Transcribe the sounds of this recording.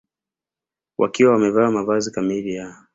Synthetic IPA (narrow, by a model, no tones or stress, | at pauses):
wʔa̰kiwawamɛvaːmavazikamilija